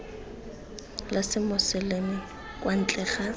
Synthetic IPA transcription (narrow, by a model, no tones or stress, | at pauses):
lasɪmʊsɪlemɪ | kʼwan̩t͡ɬʼɛːχa